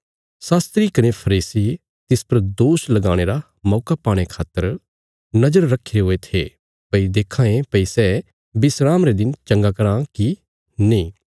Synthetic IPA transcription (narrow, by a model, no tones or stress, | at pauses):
saːst̪ɾikɐnepʰɐɾiːsi | t̪ɪspɐɾd̪oːʃlɐɡaːɽ̃eːɾa | mɔːkapaːɽ̃ekʰaːt̪ːəɾ | nɐd͡ʒəɾːɐkʰːɪɾeɦoet̪ʰe | pɐid̪eːkʰãːẽpɐisɛ | bɪsɾaːmɾed̪ɪnt͡ʃɐ̃ŋɡakɐɾãki | nĩː